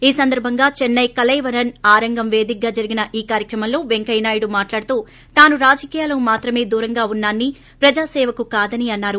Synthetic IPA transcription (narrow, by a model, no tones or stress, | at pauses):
iːsɐnd̪ɐɾbʱɐŋɡaːt͡ʃɛnːɐjkɐlɐjʋɐɾɐnaːɾɐŋɡɐmʋe̞ːd̪ik̚ɡːaːd͡ʒɐɾiɡinɐʔiːkaːɾjɐkɾɐmɐmlo̞ːʋeŋkɐjnaːjuɽumaːʈlaːɽut̪uː | t̪aːnuɾaːd͡ʒɐkiːjaːlɐumaːt̪ɾɐme̞ːd̪uːɾɐŋɡaːunːaːnːi | pɾɐd͡ʒaːsɛːʋɐkukaːd̪ɐniɐnːaːɾu